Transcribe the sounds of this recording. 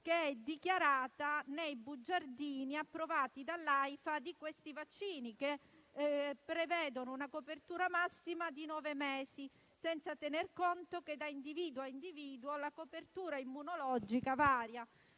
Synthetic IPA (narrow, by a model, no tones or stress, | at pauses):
keɛd̪ikjaɾaːt̪anejbud͡ʒːard̪iːniapːɾovaːt̪id̪alːajfad̪ikwest̪ivat͡ʃːiːnike | pːɾevɛːd̪onounakopert̪uːɾamasːimad̪inwɔːvemɛːsi | sɛnt̪sat̪enerkont̪oked̪ːaind̪iviːd̪uaind̪iviːd̪uolakopert̪uːɾaimːunolɔd͡ʒikavaːɾja